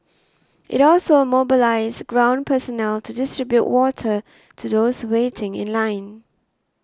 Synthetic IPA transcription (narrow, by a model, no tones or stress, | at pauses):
ʔɪ̰tɔlsomobɪlaɪsɡɹãʊ̃npʰəsɔnɛltʰudɪstɹɪbjuʔwɔtʰə | tʰuðoʊshwetʰɪ̃ŋɪ̰̃nlãɪ̃n